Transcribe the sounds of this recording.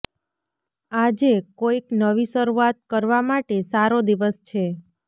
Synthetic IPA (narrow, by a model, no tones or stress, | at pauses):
ad͡ʒekoiknəʋisəɾuat̪̚kəɾʋamaʈesaɾod̪iʋəst͡ʃʰe